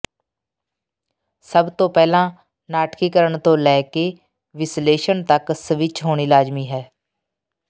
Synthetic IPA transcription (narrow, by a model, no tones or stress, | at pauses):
səbt̪õːpɛːlãː | naːʈkiːkəɾəɳt̪õːlɛːkeː | ʋɪsleːʃənt̪əksəʋɪt͡ʃɦoːɽiːlaːd͡ʒmiːɦɛː